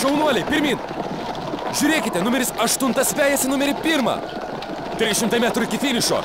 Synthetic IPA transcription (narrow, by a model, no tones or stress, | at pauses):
ʃʲɛʊnuɔlʲɛjpʲɪɾʲmʲiːn | ʒʲuːɾʲeːkʲɪt̪ʲɛnʊmʲɛɾʲɪsɐʃt̪ʊnt̪ɐspʲæːjɛsʲɪnʊmʲɛɾʲɪpʲiːɾmɐ̰ | t̪ʲɾʲɪsʃʲɪmt̪ɐjmʲæːt̪ɾʊɪkʲɪfʲiːnʲɪʃo̰